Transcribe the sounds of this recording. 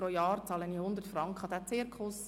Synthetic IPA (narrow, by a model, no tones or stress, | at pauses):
ɾojɑːɾt͡sɑːlənihʊnd̪əɾtfɾɑŋkχəd̪æt͡seːɾkχʊs